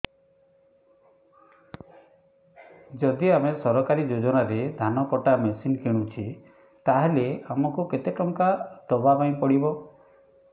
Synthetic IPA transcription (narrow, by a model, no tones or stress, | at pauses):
d͡ʒɔd̪iamesɔɾɔkaɾid͡ʒod͡ʒɔnaɾed̪ʱanɔkɔʈamesinkiɽ̃ũt͡ʃʰi | t̪aɦeleamɔkuket̪ekɔŋkad̪ɔbapaĩpɔɽibɔ